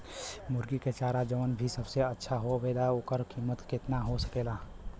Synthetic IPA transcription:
mʊɾɡiket͡ʃaːɾad͡ʒəʋənbʱisəbseətːʃʰaɦoʋeːd̪aokəɾkiːmət̪kɪt̪naɦosəkeːlaː

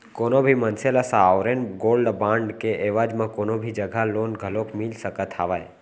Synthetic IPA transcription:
koːnobʱimənselasaːwɾenɡoːlɖbãːɳɖkeʔeːʋaːd͡ʒmẽkoːnobʱid͡ʒəɡʱaloːnɡʱəlokmilsəkət̪ʰaːʋaj

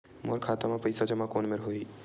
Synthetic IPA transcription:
moɾkʰaːt̪amãpɐɪsad͡ʒɐmãkoːnmeɾɦoːiː

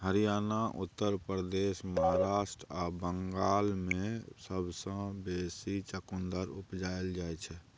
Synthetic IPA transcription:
ɦəɾijaːnaʔʊt̪ːəɾpɾɾəd̪esməɦaɾaːʃʈɾabəŋɡaːlmẽsəbʱsə̃besit͡ʃəkund̪əɾupd͡ʒaeld͡ʒajt͡ʃʰɛ

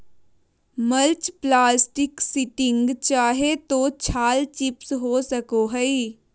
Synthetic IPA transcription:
mɐlt͡ʃplaːsʈɪksɪʈɪ̃ŋɡt͡ʃaːɦet̪ot͡ʃʰaːlt͡ʃɪpsɦosɐkoɦɛi

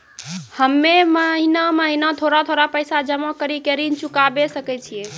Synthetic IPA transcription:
həmːeməɦinaməɦinat̪ʰoɾat̪ʰoɾapəjsad͡ʒəmakəɾikeɾint͡ʃukabesəkɛt͡ʃʰije

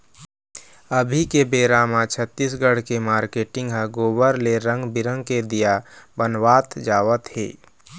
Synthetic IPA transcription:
əbʱikebeːɾaːmat͡ʃʰət̪ːisɡəɽ̤kemaːɾkeːʈɪ̃ŋɡɦɛɡoːbəɾleɾə̃ŋɡbɪɾə̃ŋɡked̪ijabənwaːt̪d͡ʒaːʋət̪ɦḛː

